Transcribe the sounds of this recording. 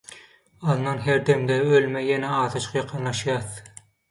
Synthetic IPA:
ɑðnɑnɦeɾd̪emd̪ɛølmejenɛɑːθɯt͡ʃʰqjɑqʰɯnlˠɑʃjɑːθ

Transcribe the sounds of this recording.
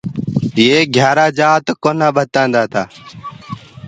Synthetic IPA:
jeːɡʱjaːɾaːd͡ʒaːt̪koːnaːbʱət̪ãːnd̪aːt̪aː

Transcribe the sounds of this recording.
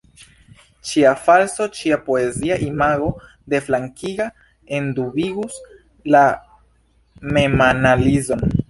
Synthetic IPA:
t͡ʃiafalso̞t͡ʃiapoe̞ziaʔimaɡo̞ | de̞flaŋkʰiɡa | e̞ndubiɡus | la | me̞manalizo̞n

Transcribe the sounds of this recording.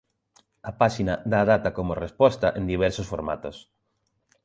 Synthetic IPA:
apaʃinad̪aːðat̪akomorespɔst̪aʔẽnd̪iβ̞ɛɾsosfoɾma̰t̪os

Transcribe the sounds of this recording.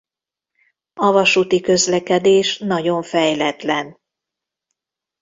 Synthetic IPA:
ɒvɒʃuːt̪ikø̞zlɛkɛd̪eːʃnɒɟo̞ɱfɛjlɛt̪lɛn

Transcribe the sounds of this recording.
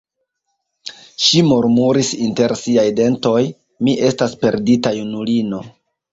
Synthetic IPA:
ʃimuɾmuɾisinte̞ɾsiajde̞nto̞j | miʔe̞staspe̞ɾditajunulino̞

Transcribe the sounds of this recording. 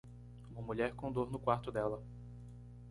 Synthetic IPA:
ũmɐmuʎɛɾkõd̪oɾnʊkwaɾt̪ʊd̪ɛlɐ

